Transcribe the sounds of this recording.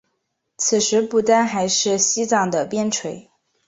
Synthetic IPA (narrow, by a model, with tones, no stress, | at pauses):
t͡sʰɹ̩˨˩ʂɻ̩˧˥pu˥˩t̪a˥nxa˧˥ɪʂɻ̩˥˩ɕi˥t͡sɑ˥˩ŋd̪ə˩pjɛ˥nʈ͡ʂʰwe˧˥ɪ